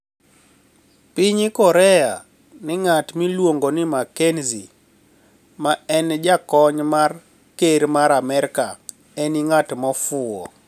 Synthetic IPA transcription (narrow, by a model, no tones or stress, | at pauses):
pɪɲɪkɔɾɛja̰ | nɪŋatmilwoŋɡonɪmakenzi | maɛnd͡ʒakɔɲmar | keɾmaɾamɛɾka | ɛniŋatmɔfʊɔ̰